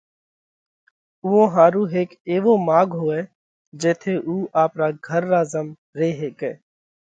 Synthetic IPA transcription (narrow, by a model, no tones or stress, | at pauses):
uːõːɦaːɾuːɦeːkeːʋõːmaːɡɦoːeː | d͡ʒɛːt̪ʰeːʔuːʔaːpɾaːɡʱəɾːaːzəm | ɾeːɦeːkɛː